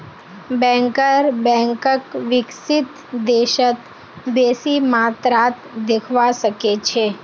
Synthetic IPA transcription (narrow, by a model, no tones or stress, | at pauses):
bɛ̃ŋkəɾbɛ̃ŋkəkʋɪksɪt̪ | d̪eːʃət̪ | beːsimaːt̪ɾaːt̪d̪ɪkʰʋasəket͡ʃʰe